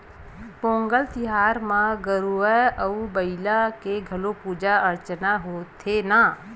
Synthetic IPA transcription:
bõːŋɡəlt̪ɪɦaːɾmãɡəɾuəəubəɪlakeɡʱəlopuːd͡ʒaəɾt͡ʃnaɦoːt̪ʰena

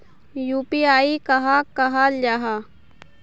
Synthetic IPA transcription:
juːpiaːikɐɦakɐɦalaɦa

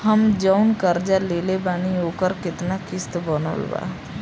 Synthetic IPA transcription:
həmd͡ʒəʊnkəɾd͡ʒaleːlebaːnioːkəɾkɪt̪nakɪst̪bənə̰lba̰ː

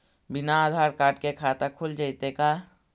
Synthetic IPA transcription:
bɪnaːd̪ʱaːɾkaːʈ̚kekʰat̪akʰuld͡ʒaɪt̪eka

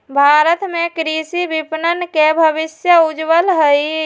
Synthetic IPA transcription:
bʱaɾət̪mẽkɾisibipnənkebʱəbisjəud͡ʒʋəlɦəj

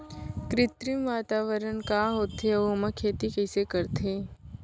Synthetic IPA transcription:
kɾɪt̪ɾimʋaːt̪aːʋəɾənkaːɦoːt̪ɦeoməkʰeːt̪ikɛːsekəɾt̪eː

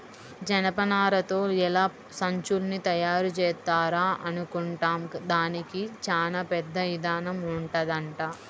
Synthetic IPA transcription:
d͡ʒɐnɐpɐnaːɾɐt̪o̞ːɛlaː | sɐɲt͡ʃulnit̪ɐjaːɾut͡ʃɛːt̪aːɾaːʔɐnukuɳʈaːmd̪aːnikit͡ʃaːnaːpɛd̪ːɐʋid̪aːnɐmuɳʈɐd̪ɐɳʈaː

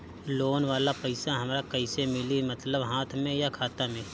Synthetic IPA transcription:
loːnʋaːlapəɪsaɦɐmɾakɐɪsemɪlimɐt̪ləbɦaːt̪ʰmẽjakʰaːt̪amẽː

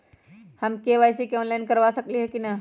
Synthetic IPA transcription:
hɐmkeʋaːjs̬ikeɔːnlaɪnkɐɾʋasɐkliɦɛkinɐ

